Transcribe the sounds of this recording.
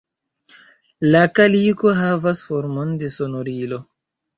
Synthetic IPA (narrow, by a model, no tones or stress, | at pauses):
lakaliko̞ɦavasfoɾmonde̞so̞noɾilo̞